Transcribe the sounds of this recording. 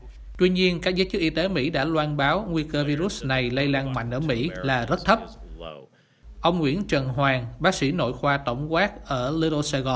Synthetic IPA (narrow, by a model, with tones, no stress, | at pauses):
t̪wi˧ɲi˧ənkaː˦˥k̚zəː˨˦jt͡ɕɨ˦˥k̚ʔi˧t̪e˨˦mḭ˧˥ɗa̰ː˧˥lwaː˧nɓaː˨˦wŋwi˧kəː˧vi˧ɾu˦˥sna˨˩jlə˧jlaː˧ŋma̰˧˨jŋ̟ʔəː˧˩mḭ˧˥jlaː˨˩zə˦˥t̚t̪ʰə˦˥p̚ | ʔə˧wŋ͡mŋwḭ˧˥ənt͡ɕə˨˩nɦwaː˨˩ŋɓaː˨˦˥k̚sḭ˧˥no̰˧˨jxwaː˧t̪ə˧˩wŋ͡mkwaː˦˥k̚ʔəː˧˩li˧ɗo˧sə˧ɣɔ˨˩n